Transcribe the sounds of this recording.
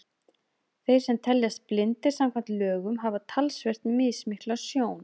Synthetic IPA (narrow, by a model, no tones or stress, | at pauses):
θejɾ̥sɛmt̪ʰɛljast̪̚plɪnt̪ɪɾ̥samkʰan̥t̪lœːɣʏmɦavat̪ʰalsver̥t̪nmɪːðsmɪhklasjoːwn